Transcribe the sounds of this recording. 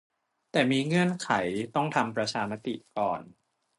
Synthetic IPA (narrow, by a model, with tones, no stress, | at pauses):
t̪ɛː˨˩miː˧ŋɯ˥˩ənkʰa˩˦jt̪ɔ˥˩ŋt̪ʰa˧mpɾa˧t͡ɕʰaː˧ma˦˥t̪ḭ˨˩kɔː˨˩n